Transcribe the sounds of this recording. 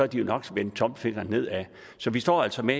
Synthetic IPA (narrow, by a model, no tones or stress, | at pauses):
ɒæd̥ijonɒ̽ɡ̥sʋen̥t͡sʰɒ̽mb̥fe̝ɡ̥ɐnːe̝ð̰ˠæ | sɒ̽ʋisd̥ɒ̰ːæl̰sɒ̽me